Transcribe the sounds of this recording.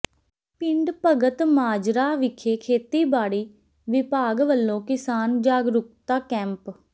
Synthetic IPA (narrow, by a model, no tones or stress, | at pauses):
pɪɳɖpəɡət̪maːd͡ʒɾaːʋɪkʰeːkʰeːt̪iːbaːɽiː | ʋɪpaːɡʋəlːõːkɪsaːnd͡ʒaːɡɾʊk̚t̪aːkɛ̃ːmp